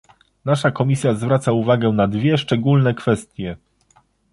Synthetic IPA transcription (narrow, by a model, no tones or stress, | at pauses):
naʂakɔmʲisʲjazvɾat̪sauvaɡɛnad̪vʲjɛʂt͡ʂɛɡulnɛkfɛst̪ʲjɛ